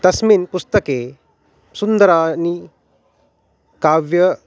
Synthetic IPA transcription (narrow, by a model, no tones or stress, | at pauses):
t̪ɐsminpust̪əke | sund̪əɾani | kaʋjə